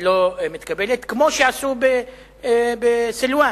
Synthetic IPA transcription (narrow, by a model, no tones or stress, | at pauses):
lomit̪kabelet̪kmo̞ʃeasube | besilwa